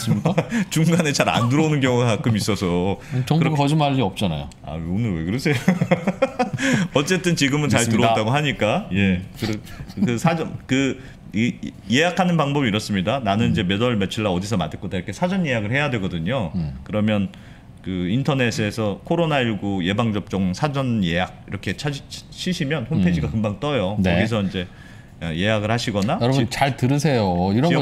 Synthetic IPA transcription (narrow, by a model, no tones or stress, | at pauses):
t͡ɕuŋɡane̞t͡ɕaɾa̰nduɾʌunɯnkjʌŋuɡakak͈ʰɯmis͈ʌsʰʌʌŋɡkɯɾʌd͡ʑimaʎːiʌp̚t͡ɕ͈ana̰jo̰ | a̰onɯwḛkɯɾʌsʰe̞jo | ʌt͡ɕ͈e̞t͈ɯnt͡ɕiɡɯmɯnt͡ɕaɭtɯɾʌat͈aɡoɦaɲik͈aje̞kɯɾkɯsʰad͡ʑʌnkɯ | je̞jakʰanɯnpaŋbʌbiɾʌs͈ɯmɲidananɯnid͡ʑe̞me̞dʌɭmet͡ɕʰɯɭːaʌdisʰʌmadetk͈odaiɾʌkʰesʰad͡ʑʌnje̞jaɡɯɭhe̞jadwe̞ɡʌdɯɲokɯɾʌmjʌn | kɯintʰʌne̞sʰɯesʰʌkʰoɾonaiɭɡuje̞baŋd͡ʑʌp̚t͡ɕ͈ʌŋsʰad͡ʑʌnje̞ɦak̚iɾʌkʰe̞t͡ɕʰaiɕʰiɕʰimjʌnhonpʰe̞d͡ʑiɡakɯmbaŋt͈ʌjonkʌɡis̬ʰʌind͡ʑe̞ | eje̞jaɡɯɭhaɕʰiɡʌnajʌɾʌbunt͡ɕaɭtɯɾɯsʰe̞joiɾʌ